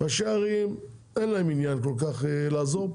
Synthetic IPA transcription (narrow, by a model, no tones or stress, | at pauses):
vaʃeaʁim | enlaeminjanko̞lkaχlaːzo̞